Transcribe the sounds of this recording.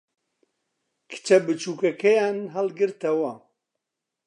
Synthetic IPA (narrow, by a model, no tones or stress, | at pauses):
kʰɨ̥t͡ʃɐbɨt͡ʃuːkɐkʰɐjaːnɦɐlɡɨɾt̪ɐwɐ